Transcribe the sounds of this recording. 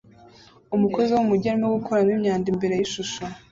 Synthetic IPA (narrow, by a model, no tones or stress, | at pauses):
umuko̞ziwumuɟaɾimeɡukʰoɾanimɲaːndimbe̞ɾe̞jiʃuʃo